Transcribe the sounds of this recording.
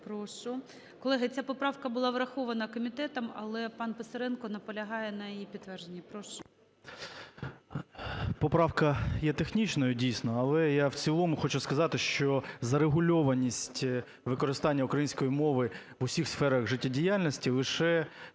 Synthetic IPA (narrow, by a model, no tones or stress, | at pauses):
pɾɔʃʊ | kɔlˠɛɦɐt͡sʲapɔpɾɑwkɐbʊlˠɑʋɾɐxɔʋɐnɐkɔmʲit̪ɛt̪ɐmɐ̰lˠɛpɑnpesɐɾɛnkɔnɐpɔlʲɐɦɑjɛnɐjijipʲit̪ːʋɛrʒenʲːipɾɔʃʊ̥ | pɔpɾɑwkɐjɛt̪exnʲit͡ʃnɔjʊdʲijsʲnɔɐlˠɛjawt͡sʲilˠɔmʊxɔt͡ʃʊskɐzɑt̪ɪʃt͡ʃɔzɐɾeɦʊlʲɔʋɐnʲːisʲtʲ | ʋɪkɔɾɪst̪ɑnʲːɐukɾɐjinʲsʲkɔjimɔʋɪʋʊsʲixsfɛɾɐɣʒɪtʲːɐdʲijalʲnɔsʲtʲilˠɪʃɛ